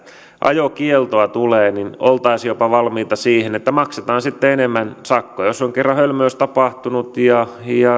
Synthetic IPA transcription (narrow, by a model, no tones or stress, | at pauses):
ʔɑ̰jokielt̪oɑt̪uleːninolt̪ɑisjopɑʋɑlmiːt̪ɑsiːhenet̪ːæmɑkset̪ɑːnsit̪ːeenemːænsɑkːojosːoŋkerːɑhølmøːst̪ɑpɑht̪unut̪jɑjɑ